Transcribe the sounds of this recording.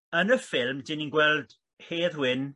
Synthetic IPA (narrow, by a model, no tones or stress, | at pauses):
ənəfɪlˠmdɪninɡwɛlˠd̥ | heːðwɪn